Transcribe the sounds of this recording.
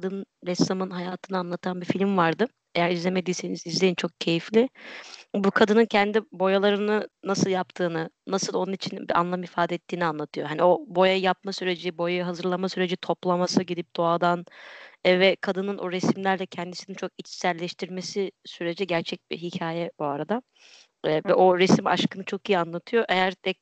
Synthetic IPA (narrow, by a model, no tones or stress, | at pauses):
kʰad̪ɯnɾɛsamɯnɦajaːt̪ʰɯnanlˠat̪ʰanbifilʲmvaɾd̪ɯ | e̞jæɾizlʲeme̞d̪iːse̞nizizlʲeint͡ʃʰo̞k̚cʰe̞jiflʲɪ | bukʰad̪ɯnɯncʰɛnd̪ibo̞jalˠaɾɯnɯnasɯlˠjap̚t̪ʰɯːnɯnasɯlˠo̞nunit͡ʃʰinbia̰nlˠamifaːd̪ɛːt̪ʰːiːnianlˠat̪ʰɯjo̞ɦanio̞bo̞jajjap̚masyɾe̞d͡ʒibo̞jajɦazɯɾlˠamasyɾe̞d͡ʒit̪ʰo̞plˠamasɯɟid̪ip̚d̪̥o̞ad̪an | vɛkʰad̪ɯnɯnʔoɾesimlʲæɾlʲɛcʰɛnd̪isinint͡ʃʰo̞kit͡ʃsælʲːɛʃt̪ʰiɾmesisyɾe̞d͡ʒɛɟæɾt͡ʃʰɛc̚bḭɦicʰaːjɛbuaɾad̪a | vɛo̞ɾesima̰ʃkɯnɯt͡ʃʰo̞kijianlˠat̪ʰɯjo̞ʔe̞jæɾt̪ʰɛ